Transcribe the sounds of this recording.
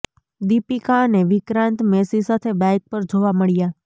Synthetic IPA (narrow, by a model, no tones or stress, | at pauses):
d̪ipikaneʋɪkɾãnt̪mesisat̪ʰebɛ̃k̚pəɾd͡ʒoʋaməɭja